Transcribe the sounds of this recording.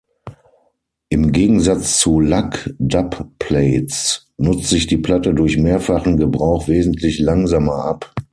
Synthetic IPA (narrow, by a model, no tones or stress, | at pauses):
ʔɪmɡeːɡŋ̩zat͡st͡sulakdappʰleɪt͡s | nʊt͡sz̥ɪçd̥iːpl̥atədʊɐçmeːɐfaχn̩ɡəbʁaʊxv̥eːzn̩tʰlɪçlaŋzamɐʔap